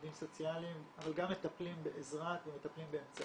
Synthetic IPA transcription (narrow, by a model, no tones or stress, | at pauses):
dimso̞t͡sialimavalɡamːe̞t̪aplimbeʔezʁakvemet̪aplimbeemt͡sa